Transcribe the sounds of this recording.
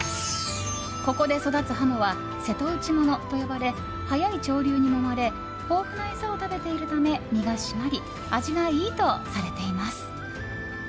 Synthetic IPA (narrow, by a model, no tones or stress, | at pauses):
ko̞ko̞d̪e̞so̞d̪at͡sɨɦanoβa | se̞t̪o̞ɯ̟t͡ɕimo̞no̞t̪o̞jo̞baɾe̞ | hajait͡ɕo̞ːɾʲɨːɲ̟ino̞maɾe̞ | o̞ːɸɯ̟naesaot̪abe̞t̪e̞iɾɯ̟t̪ame̞mʲiɡaɕimaɾʲi | aʑiɡaiːt̪o̞saɾe̞t̪e̞imasɨ̥